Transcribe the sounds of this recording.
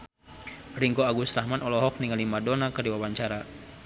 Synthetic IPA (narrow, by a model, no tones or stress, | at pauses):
riŋɡoaɡust̪ɾahmanɔlɔɦɔk̚niŋalimadɔnakərdiwawaɲt͡ʃaɾa